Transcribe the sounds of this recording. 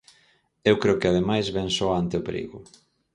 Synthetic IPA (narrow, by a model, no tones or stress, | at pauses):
ewkɾeʊkɪað̞emajzβɛnsɔant̪eʊpeɾḭɣʊ